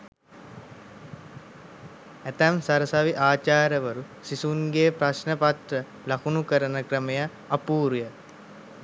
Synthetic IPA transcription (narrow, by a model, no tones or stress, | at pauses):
æt̪æmsaɾəsaʋiʔaːt͡ʃaːɾəʋəɾu | sisuŋɡeːpɾasnəpat̪ɾə | lakunukəɾənəkɾəmejaː | puːɾujə